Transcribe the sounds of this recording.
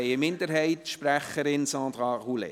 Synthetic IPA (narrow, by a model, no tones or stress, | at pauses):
ɪɪmɪndəɾɦɛɪtʃpræχəɾɪnsɑ̃ːd̪ɾɑʁulḛ